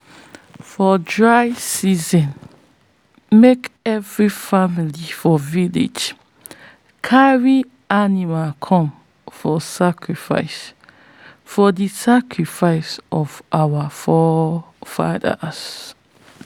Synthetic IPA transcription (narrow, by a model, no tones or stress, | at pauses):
fɔdɹaɪsizɔ̃n | mekɛvɹifamilifɔvilḛd͡ʒ | kʰaɹi | animakʰɔ̃m | fɔsakʰɹifa̰ɪs | fɔdisakʰɹifaɪsɔvʔawafɔ | fa̰də̰s